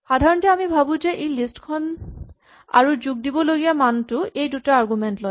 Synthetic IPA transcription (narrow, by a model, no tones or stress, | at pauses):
xadʱaɹɔntɛamibʱabũzɛʔejlistkʰɔn | a̰ɹuzuɡ̚dibɔloɡijamantʊejdutaaɹɡumɛntlo